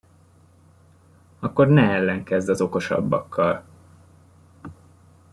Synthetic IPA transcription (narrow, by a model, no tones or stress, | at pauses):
ɒkːo̞rnɛɛlːɛŋkɛzd̪ɒzo̞ko̞ʃɒ̰bːɒ̰kʰːɒl